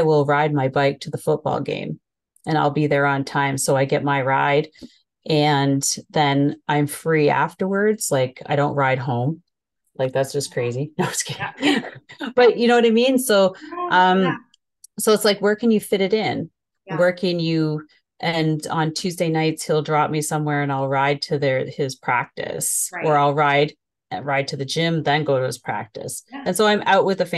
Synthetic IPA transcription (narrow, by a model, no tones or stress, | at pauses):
ɪwɪlˠɹaɪd̚maɪbaɪk̚tʰɨðəfʊt̚b̥ɔ̰lˠɡḛ̃ɪ̃m | ɨ̃ñaɪlˠbiðə˞ə̃ntʰãɪ̃msoʊaɪɡɛt̚maɪɹa̰ɪɾ | ʔɨ̃nðɨ̃nʔãɪ̃ɱfɹiæ̰ftə˞wə˞dz̥laɪkʰa̰ɪɾõʊ̃nʔ̚ɹaɪd̚ɦõʊ̃m | laɪk̚ðætsd̥ʒ̥ʌskʰɹ̥eɪzinoʊskʰe | b̥ʌʔjɨnoʊwʌɾaɪmĩnsoʊʔʌ̃m | soʊətslaɪkwə˞kʰɨ̃njɨfɪɾɨɾɪ̃n | wɜ˞kɨ̃njʉ | ʔɨ̃ñn̩tʰʉzdeɪnaɪtshilˠdɹɑp̚misʌ̃mwɛɹɨ̃naɪlˠɹaɪd̚tʰɨðə˞ɪz̥pʰɹ̥æ̰k̚tɨ̰sʔə˞aɪlˠɹaɪd | ɹaɪd̚tʰɨðɨd͡ʒɪ̃mðɨ̃nɡoʊɾɨɨ̰z̥pʰɹ̥æ̰k̚tɨ̰sɨ̃nsoʊãɪ̃mʔa̰ʊʔ̚wɨðɨfẽ